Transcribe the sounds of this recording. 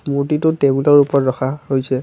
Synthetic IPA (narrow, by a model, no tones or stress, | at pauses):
smutitʊtɛbulɔɹupɔtɹɔxʰahojsɛ